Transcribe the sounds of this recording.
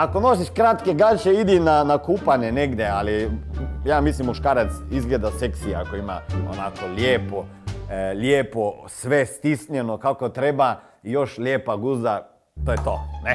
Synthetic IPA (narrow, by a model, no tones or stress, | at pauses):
akonos̬iʃkɾat̪keɡat͡ʃeid̪inanakupaneneɡd̪jealijaːmislimːuʃkaːɾat̪sizɡled̪aseksiakoima̰o̰nakolʲjeːpo | lʲjeːposʋest̪isnenokakot̪ɾeba | ijo̞ʃljeːpaɡuza | t̪ojet̪o̰ːne